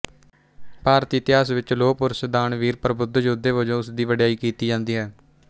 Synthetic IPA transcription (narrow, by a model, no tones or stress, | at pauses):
paːɾt̪iːɪt̪ɪjaːsʋɪt͡ʃloːpʊɾsd̪aːɳʋiːɾpəɾəbʊd̪d͡ʒʊd̪eːʋod͡ʒõːʊsd̪iːʋəɖjaːiːkiːt̪iːd͡ʒãːnd̪iːɦɛː